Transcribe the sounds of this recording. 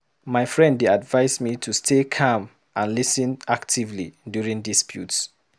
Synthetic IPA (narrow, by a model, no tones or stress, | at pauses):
maɪfɹɛ̃ndeadvaɪsmitʰustʰekʰãm | ãnlisə̃naktʰivlḭdjuɹĩŋdispʰjṵts